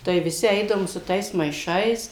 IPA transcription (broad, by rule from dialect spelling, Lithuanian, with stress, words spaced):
tɐɪ ʋʲɪˈsʲɪ ˈɛɪdɐʋoːm sʊ ˈtɐɪs mɐɪˈʃɐɪs